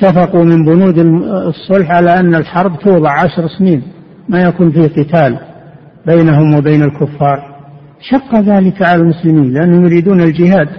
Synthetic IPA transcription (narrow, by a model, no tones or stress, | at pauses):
ɪt̪ːafɑqumɪmbʊnuːd̪ɪsˤːʊlħʕalaʔanːalħɑɾˤbt̪uːðˤɨʕʕaʃɾˤsniːn | majakuːnfiqɨt̪aːl | bejnaɦʊmwɪbeːnɪlkʊfːɑːɾˤ | ʃɑqːɑðaːlɪkʕalalmʊslɪmiːnlɪʔanːhʊmjʊɾiːd̪uːnɪld͡ʒɪhaːd̪